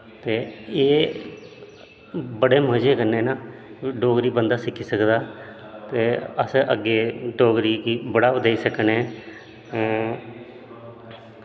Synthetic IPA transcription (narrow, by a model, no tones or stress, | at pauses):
t̪eːeː | bəɽeːmɦəd͡ʒeːkənːeːnaːiːɖoːɡɾiːbənd̪aːsɪkʰːiːsəkd̪aːt̪eːəsʔəɡeːɖoːɡɾiːkiːbəɽaːd̪eiːsəkneː